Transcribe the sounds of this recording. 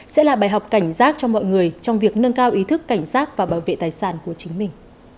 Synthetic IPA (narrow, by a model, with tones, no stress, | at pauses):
sɛ̰˧˥laː˨˩ɓaː˨˩jɦa˨˩wk͡p̚ka˧˩jŋ̟zaː˦˥k̚t͡ɕɔ˧mɔ̰˧˨jŋɨ˨˩əjt͡ɕɔ˧wŋ͡mvi˨˩ək̚nə˧nkaː˧wʔi˨˦t̪ʰɨ˦˥kːa˧˩jŋ̟saː˦˥k̚vaː˨˩ɓaː˧˩wvḛ˧˨t̪aː˨˩jsaː˧˩nku˧˩ət͡ɕï˨˦ŋ̟mï˨˩ŋ̟